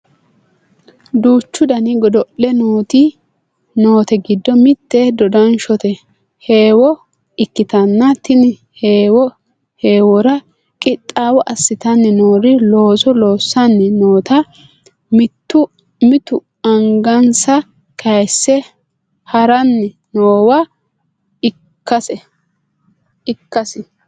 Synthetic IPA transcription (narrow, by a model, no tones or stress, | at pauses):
d̪uːt͡ʃːʊd̪ɐnɪɡɔd̪ɔʔlɛnoːt̪i | noːt̪ɛɡɪd̪ːɔmɪt̪ːɛd̪ɔd̪ɐnʃɔt̪ɛ | he̞ːwɔ | ɪkːɪt̪ɐnːɐt̪ɪnɪ | heːwɔ | he̞ːwɔɾɐ | kʼɪt̪ʼːaːwɔʔɐsːɪt̪ɐnːɛnoːɾɪlo̞ːsɔlo̞ːsːɐnːɛno̞ːt̪ɐ | mɪt̪ːʊ | mɪt̪ʊ | ɐŋɡɐnsɐ | kɐjsːɛ | hɐɾɐnːɛ | noːwɐ | ɪ | kkːɐsɛ | ɪkːɐsɪ